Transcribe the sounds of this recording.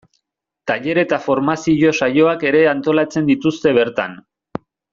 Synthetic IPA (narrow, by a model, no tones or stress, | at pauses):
t̪aʎe̞ɾe̞t̪afo̞ɾmasiʝo̞sajo̞ake̞ɾe̞ant̪o̞lat͡se̞nd̪it̪ust̪e̞β̞e̞ɾt̪a̰n